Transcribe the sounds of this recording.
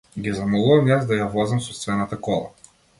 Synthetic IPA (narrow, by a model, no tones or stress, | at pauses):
ɡʲizamɔlˠuvɐmjazd̪ajavɔzɐmsɔt̪vɛnat̪akɔlˠa̰